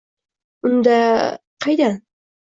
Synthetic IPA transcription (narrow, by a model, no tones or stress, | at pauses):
ʊnd̪aqʰɑjd̪an